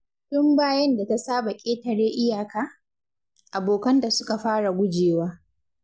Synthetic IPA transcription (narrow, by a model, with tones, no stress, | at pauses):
tʊ˦mbaː˦jɐ˦nda˨ta˦saː˦ba˨kʲʼeː˦tɐ˨ɽeː˦ʔɪ˦jaː˨kaː˦ | ʔa˨boː˨kɐ˦nda˨sʊ˦ka˨ɸaː˦ɽa˨ɡʷʊ˦d͡ʒeː˨waː˦